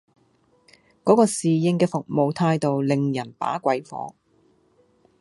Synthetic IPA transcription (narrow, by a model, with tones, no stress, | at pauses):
kɔː˨˥kɔː˧siː˨jɪ˧ŋkɛː˧fʊ˨k̚mo˨wt̪ʰaː˧jt̪o˨wlɪ˨ŋjɐ˨˩npa̰ː˨˥kʷɐ˨˥jfɔ̰ː˨˥